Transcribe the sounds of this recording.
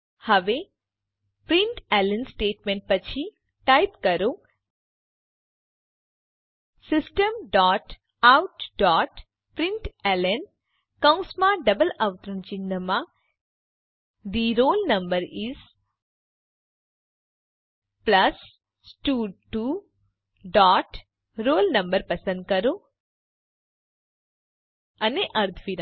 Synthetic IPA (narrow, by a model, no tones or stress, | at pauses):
həʋe | pɾɪɳʈelənsʈeːʈmẽɳʈ̚pət͡ʃʰi | ʈajpkəɾo | sɪsʈəmɖɔʈ | awʈɖɔʈ | pɾɪ̃ɳʈelən | kə̃w̃smãɖəbələʋt̪ɾəɳt͡ʃind̪əmã | d̪iɾolnəmbəɾis | pləs | sʈuɖʈu | ɖɔʈ | ɾoːlnəmbəɾpəsə̃nd̪̚kəɾo | əneʔəɾt̪ʰʋiɾa